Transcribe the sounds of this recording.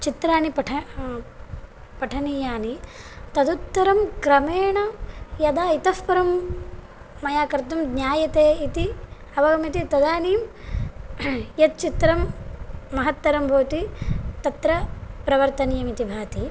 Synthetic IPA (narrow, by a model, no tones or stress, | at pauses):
t͡ʃit̪ɾaːnipɐʈʰɐ | pɐʈʰɐniːjaːni | t̪ɐd̪ut̪ːɐɾɐmkɾɐmeːɳɐjɐd̪aːit̪ɐspɐɾɐmː | ɐjaːkɐɾt̪umd̪ɲʲaːjɐt̪eːit̪i | ɐʋɐɡɐmit̪it̪ɐd̪aːniːm | jɐt̪̚t͡ʃit̪ɾɐmː | ɐɦɐt̪ːɐɾɐmbʱoːt̪it̪ɐt̪ɾɐpɾɐʋɐɾt̪ɐnijɐmit̪ibʱaːt̪i